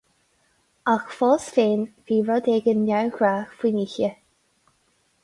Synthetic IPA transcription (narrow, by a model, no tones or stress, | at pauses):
axfɔsfeːnviːɹɔd̪ɛɡənːawɡɹaːxfwiniçə